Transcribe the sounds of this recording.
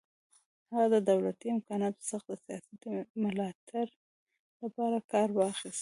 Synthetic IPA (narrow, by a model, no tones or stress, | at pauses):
haɣad̪əd̪awlat̪iɪmkɑnɑt̪o̥saxd̪əsijɑsat̪mʊlɑt̪ʰaɾ | lapɑɾakɑɾwɑxist̪